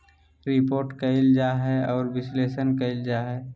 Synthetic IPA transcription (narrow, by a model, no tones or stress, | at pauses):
ɾɪpoːɾʈkəɪld͡ʒaɦɛɔːɾbɪsleːʃənkəɪld͡ʒaɦɛː